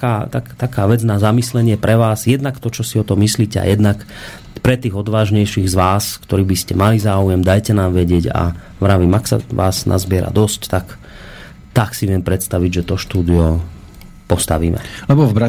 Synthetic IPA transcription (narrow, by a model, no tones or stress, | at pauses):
kaːt̪akt̪akaːʋɛd͡znazamislɛɲɪɛpɾɛʋaːzjɛd̪nakt̪ɔt͡ʃɔsiɔt̪ɔmːisliːcɛa̰jɛd̪nak | pɾɛt̪iːɣɔd̪ʋaːʒɲɛjʃiːɣzʋaːskt̪ɔɾiːbiscɛmalizaːujɛmd̪ajcɛnaːmʋɛɟɪɛɟa̰ | ʋɾaʋimaksa̰ʋa̰ːznʔa̰zbɪɛɾa̰d̪ɔsct̪ak | t̪aksiʋɪɛmpɾɛt̪st̪aʋiɟʒɛt̪ɔʃt̪uːd̪iɔ | pɔst̪aʋiːmɛ̰lɛbɔvbɾa